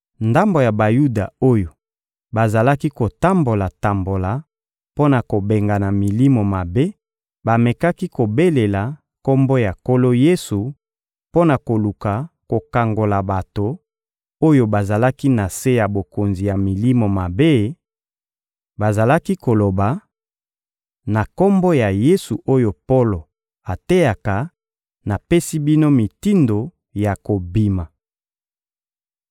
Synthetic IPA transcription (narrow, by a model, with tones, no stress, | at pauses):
nda˦mbo˨ja˨ba˨ju˦da˨o˦jo˨ | ba˨za˨la˦ki˦ko˨ta˦mbo˨la˨ta˨mbo˨la˨ | po˦na˨ko˨be˨ŋɡa˨na˨mi˨li˦mo˨ma˨be˦ | ba˨me˨ka˦ki˦ko˨be˦le˨la˨ | ko˦mbo˦ja˨ko˦lo˦je˦su˨ | po˦na˨ko˨lu˨ka˨ko˨ka˨ŋɡo˨la˨ba˨to˨ | o˦jo˦ba˨za˨la˦ki˦na˨se˦ja˨bo˨ko˨nzi˨ja˨mi˨li˦mo˨ma˨be˦ | ba˨za˨la˦ki˦ko˨lo˨ba˨ | na˨ko˦mbo˦ja˨je˦su˨ʔo˦jo˨po˦lo˨ | a˨te˦ja˨ka˨ | na˨pe˦si˦bi˦no˦mi˨ti˦ndo˨ | ja˨ko˨bi˨ma˨